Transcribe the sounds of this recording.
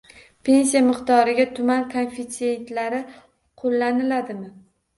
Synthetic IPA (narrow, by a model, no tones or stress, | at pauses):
pʰe̞ns̬ijamɪqt̪ɒɾɪɡʲat̪ʰʊmankʰonfit̪sie̞nt̪laɾɪ | qʰolːanɪlad̪ɪmɪ